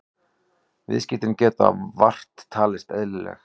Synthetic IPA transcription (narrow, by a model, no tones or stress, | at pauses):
vɪ̰ðscɪht̪ɪncɛːt̪a̰var̥t̪ʰːaːlɪst̪ɛðlɪlɛ̰x